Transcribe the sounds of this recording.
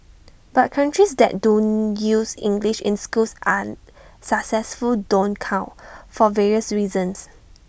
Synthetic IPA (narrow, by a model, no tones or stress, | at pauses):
b̥at̚kʰãntɹisdɛ̰t̚dõnjusḭ̃ŋɡliʃɪ̰̃nskusʔa̰ | saksɛsfuldõnkʰãʊfɔvɛɹiəsɹiːzə̃ns